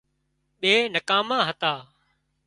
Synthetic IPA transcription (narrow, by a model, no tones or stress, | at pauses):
ɓeːnəkaːmãːɦət̪aː